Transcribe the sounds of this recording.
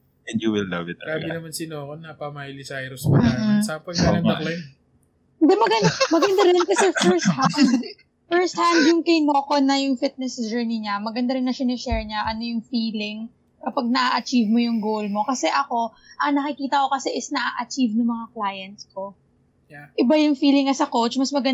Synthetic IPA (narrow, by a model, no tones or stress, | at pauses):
ɛ̃njuwɪlːɐ̰vɪt̪̚ɾabɪnɐmansɪnoːkonɐpɐmajlɪsajɾʊsmɐm̩sapojɐɐklaj | d̪ɛmɐɡɐnd̪amɐɡɐnd̪ɐɾɪnkɐsɛfɛɹst̪hand̪ | fɛɹst̪̚hand̪jʊŋkɐjnokonɐjʊŋfɪt̪̚nɛsd͡ʒɛ˞niɲamɐɡɐnd̪ɐɾɪnːɐʃanɪʃɛɹɲaʔɐno̞jʊŋfiːlɪŋ | kɐpɐɡ̚nɐʔaʔɐt͡ʃivmojʊŋɡowlmo̞kɐsɛʔɐko̞ | ʔɐnɐkɪkiːt̪ɐko̞kɐsɛʔɪsnɐʔaʔɐt͡ʃivnʊŋmɐŋaklaːjɐnt̪sko̞ | ʔɪbajʊŋfiːlɪŋːɐsɐkowt͡ʃmɐsmɐɡɐn